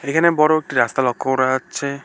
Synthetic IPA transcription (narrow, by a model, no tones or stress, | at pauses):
ekʰanebɔɾɔek̚ʈiɾast̪alɔkʰːɔɾat͡ʃʰe